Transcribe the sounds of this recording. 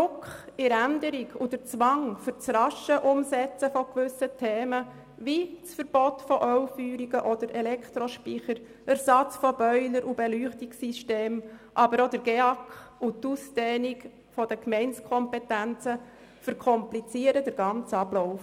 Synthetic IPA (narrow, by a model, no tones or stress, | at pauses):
ɾʊkχɪɾændəɾiɡʰud̥əɾt͡sʋɑŋfʏɾt͡srɑʃəʔʊmsɛt͡səfɔkʋʏsətʰeːmə | ʋit͡sfəɾb̥ɔtfɔʔœwfyːɾiɡəʔɔd̥əɾʔɛlɛkχt̪ɾɔʃpiχəɾ | æɾsɑt͡sfɔb̥œʏləɾʔubɛlyːχtiksiʃteːmʔɑbəɾodəɾɡ̥eɑkut̪usdɛːniɡ | fɔdəkmɛɪnt͡skʰɔmpɛtænt͡sə | fəɾkʰɔmplit͡siəɾəd̥əɾɡɑnt͡sɑblɔʊf